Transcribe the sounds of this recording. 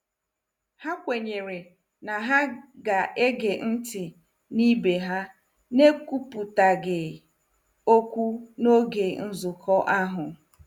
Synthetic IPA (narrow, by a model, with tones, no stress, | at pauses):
ha˦kʷe˨ɲe˨ɾe˨ | na˨ɦa˦ɡa˨ʔe˦ɡe˨n̩˦tɪ˨ | ni˦be˨ɦa˦ | ne˦ku˦pu˨ta˨ɡɪ˨ | o˦kʷu˦no˦ɡe˨n̩˦zʊ˨kʰɔ˦ʔa˦ɦʊ˨